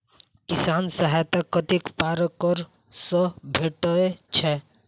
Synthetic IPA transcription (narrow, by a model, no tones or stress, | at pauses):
kisaːnsəɦajt̪akət̪ikpaɾkɔɾ | səbʱeʈəet͡ʃʰɛ